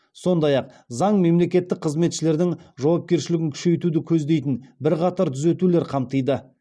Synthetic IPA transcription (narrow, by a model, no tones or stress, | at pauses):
so̞nd̪ɑjɑq̚ | zɑɴme̞mle̞kʲe̞t̪ːɪk̚qʰəzme̞t̪ʃɪle̞ɾd̪ɪŋʒɑwɑp̚kʲe̞ɾʃɪlɪɡʲɪŋkʲʰʏ̥ʃe̞jt̪ud̪ɪkʲʰɵzd̪e̞jt̪ɪnbɪɾqɑt̪ɑɾt̪ʰʏzet̪ule̞ɾqʰɑmt̪ɯjd̪ə